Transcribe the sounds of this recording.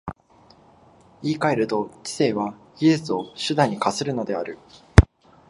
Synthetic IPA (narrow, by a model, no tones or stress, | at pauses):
iːkaeɾɯ̟t̪o̞t͡ɕi̥se̞ːβaɡʲiʑɨt͡sɨo̞ɕɨd̪aɲ̟ːikasɨɾɯ̟no̞d̪e̞aɾɯ̟